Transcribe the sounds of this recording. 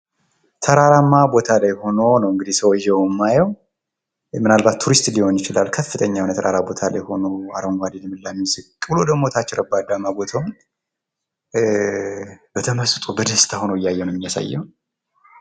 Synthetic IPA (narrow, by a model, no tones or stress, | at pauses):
t̪ʰəɾaɾamːabo̞t̪ʰalajho̞no̞nəwɨŋɡɨd̪isəwʒɛwmːajɛw | mɨnalbat̪ʰːuɾist̪liho̞njɪt͡ʃɪla̰lːkʰəfːɨt̪ʰəɲːawnt̪ʰəɾʔaɾabo̞t̪ʰala̰jho̞noaɾoŋɡʷad̪ilɛmːɨlːamːisɨkʼːɨbɨlo̞d̪əɡmːo̞t̪ʰat͡ʃːɪɾəbad̪amːabo̞t̪ʰawn | b̥ət̪ʰəməst̪ʼubəd̪əst̪ʰʼahonəwɪjːajːɛwnɛmːijasa̰jːɛ̰wn